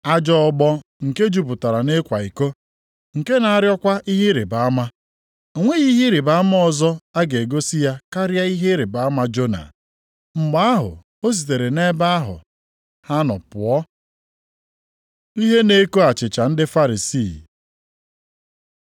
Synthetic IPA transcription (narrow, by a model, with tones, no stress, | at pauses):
a˦d͡ʒɔ˦ɔ˦ɡ͡bɔ˦ŋ̩˨ke˦d͡ʒu˦pʊ˨ta˨ɾa˨ne˦kʷa˨i˨ko˦ | ŋ̩˨ke˦na˨a˦ɾjɔ˦kʷa˦i˦ɦi˦ɾe˨ba˨a˦ma˦ | o˨ŋʷe˦ɣi˦ɦi˦ɾe˨ba˨a˦mɔ˦ɔ˨zɔ˦a˦ɡe˨e˨ɡo˦si˦ja˦ka˦ɾja˦i˦ɦe˦ɾe˨ba˨a˦ma˦d͡ʒo˦na̰˨ | ŋ͡m̩˨ɡ͡ba˦a˦ɦʊ̰˨ | o˦s̬i˨t̬e˨ɾe˨ne˦ba˦a˦ɦʊ̰˨ | ha˦nɔ̰˨pʊ̰˨ɔ˦ | i˦ɦe˦ne˦ko˦a˨t͡ʃɪ˨t͡ʃa˨n̩˦dɪ˦fa˦ɾi˨siː˦˨